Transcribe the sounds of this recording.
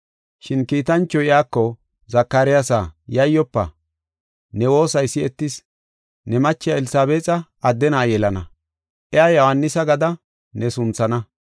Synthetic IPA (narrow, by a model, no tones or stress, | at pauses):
ʃɪnkiːt̪ɐnt͡ʃːɔɪjaːkːɔ | zɐkːaːɾɪjasajɐjːɔpːɐ̰ | nɛwo̞ːsɐjsɪɛt̪ːɪs | nɛmɐt͡ʃːɪjɐɛlɪsaːbeːt͡sʼɐː | d̪ːɛnaːjɛlɐnɐ | ʔɪjaːjɔhɐnːɪsɐɡɐd̪ɐ | nɛsʊnt͡sːɐnɐ